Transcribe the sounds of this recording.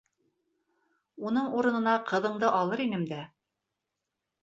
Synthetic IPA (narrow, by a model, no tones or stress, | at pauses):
unɤɴuɾɤ̆nɤ̆nɑqɤ̆ðɤ̆ɴd̪ɤʔɑlˠɤɾinɘmd̪æ